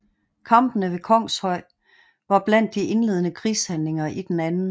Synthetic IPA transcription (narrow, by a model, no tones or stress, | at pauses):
kʰɑ̈mb̥ənəʋe̝kʰɒ̽ŋ̰shɒ̽ɪ̰ | ʋɑ̈b̥læn̰d̥iʔe̝nle̝ðˠənəkʰʁiːshænle̝ŋɐʔid̥enænn̩